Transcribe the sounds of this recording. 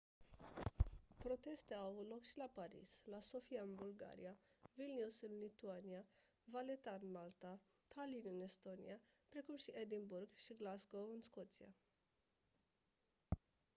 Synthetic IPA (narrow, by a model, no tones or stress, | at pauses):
pɾo̞t̪e̞st̪eawvut̪lo̞kʃilapaɾḭslaso̞fiaɨnbulɡa̰ɾḭavilnʲusɨnlit̪uania | valet̪aɨnmalt̪at̪ʰalinɨne̞st̪o̞nḭapɾe̞kumʃiʔed̪inburɡʃiɡlazɡo̞wɨnsko̞t̪sia̰